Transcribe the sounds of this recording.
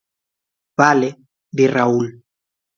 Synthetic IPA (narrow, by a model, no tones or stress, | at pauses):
βale | ðeraul